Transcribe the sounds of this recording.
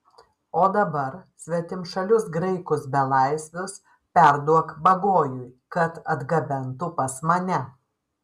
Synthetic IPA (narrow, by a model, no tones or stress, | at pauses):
oːd̪ɐbɐɾsʲʋʲɛt̪ʲɪmʃɐlʲʊsɡɾɐɪkʊsbʲɛlˠɐɪsʲʋʲʊs | pʲɛɾd̪uɔkbɐɡoːjʊjkɐt̪ɐd̪ɡɐbʲɛnt̪ʊpɐsmɐnʲɛ